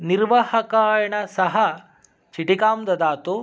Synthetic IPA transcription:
niɾʋahɐkaːjɐɳɐsɐɦɐ | t͡ʃiʈikaːmd̪ɐd̪aːt̪u

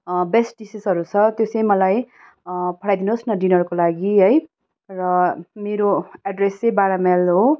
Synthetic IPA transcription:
besʈ̚ɖisisʌɾut͡sʰʌt̪josʌjmʌlaj | pʰʌɽajd̪inoosnʌɖinʌɾukolaɡiɦʌj | rʌmeɾoaɖresebaɾamelɦo

